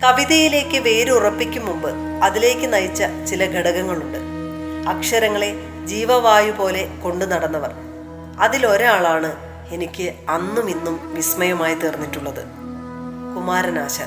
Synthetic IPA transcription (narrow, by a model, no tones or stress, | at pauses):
kɐʋiðɐjile̞ːkːɨʋe̞ːɾuurɐpːikʲːumːumbɨ | ɐðile̞ːkʲːɨnɐjit͡ɕːɐt͡ɕilɐɡʱeɽɐɣɐŋːɐɭuɳɖɨɐkʂɐɾɐŋːɐɭe̞ | d͡ʑiːʋɐʋaːjupo̞ːle̞ko̞ɳɖunɐɽɐnːɐʋɐr | ɐðilo̞ɾaːɭaːɳɨ | e̞nikʲːɨɐnːuminːumʋismɐjɐmaːjit̪eːrnːitːuɭːɐðɨ̰ | kumaːɾɐnaːɕɐ̰